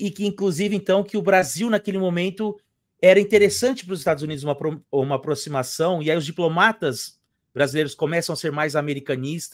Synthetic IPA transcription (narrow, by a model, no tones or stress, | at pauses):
ɪkɪĩŋkluzivɪẽnt̪ɐ̃w̃kɪʊbɾaziwnakelɪmõmẽnt̪ʊ | ɛɾɐĩnt̪eɾesɐ̃nt͡ʃɪ̥pɾʊzɪst̪ad̪ʊzunid̪zũmɐapɾoũmɐaːpɾosimasɐ̃w̃iaiʊzd͡ʒiplomat̪ɐs | bɾazilejɾʊskõmɛsɐ̃w̃aseɾmajzameɾikɐ̃nist̪ɐ